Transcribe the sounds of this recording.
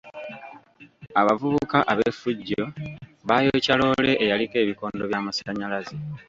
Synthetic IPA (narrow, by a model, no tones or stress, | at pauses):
aβavuβukaʔaβefːuɟːo̞βaːjo̞calo̞ːle̞ʔːjalike̞ːβiko̞ːndo̞βjaːmasaɲalazi